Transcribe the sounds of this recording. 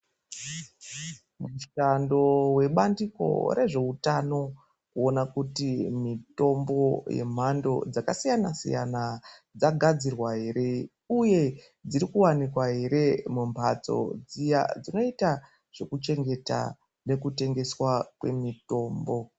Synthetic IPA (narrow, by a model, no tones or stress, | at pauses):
muʃando̞we̞ɓandiko̞̰ɾe̞ʐe̞utano̞ | kuo̞nakutimito̞mbo̞je̞̰m̤ando̞̰d͡zakasijanasḭja̰nad͡zaɡʱad͡zirwaɦe̞ɾe̞ | uje̞ | d͡ziɾikuwanikwaɦe̞ɾe̞mumbʰʱa̰t͡so̞̰d͡zija̰d͡zino̞ita | ʐ̥e̞kut͡ʃe̞ŋɡe̞ta̰ | ne̞kute̞ŋɡe̞swakwe̞mito̞ːmbo̞